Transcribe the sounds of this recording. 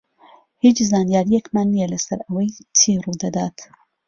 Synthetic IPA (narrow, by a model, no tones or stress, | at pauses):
hit͡ʃzaːnjaːɾijekmaːnːijɐlɐsɐɾɐwɐjt͡ʃʰiːrud̪ɐd̪a̰ːt̪